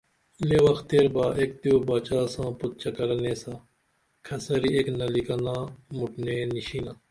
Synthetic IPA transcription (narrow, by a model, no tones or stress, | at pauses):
leːwɐxt̪eːɾbaːʔeːk̚t̪ioːbaːt͡ʃaːsãːpʊt̪̚t͡ʃɐkɐɾneːsãː | kʰɐsɐɾiːeːknɐlikanãːmʊʈneːniʃiːnãː